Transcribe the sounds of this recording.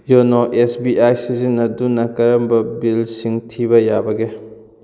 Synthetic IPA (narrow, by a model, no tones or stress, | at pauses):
jonoʔesbiʔajsizinːɐdunɐkɐɾɐmbɐbilsiŋtʰibɐjabɐɡe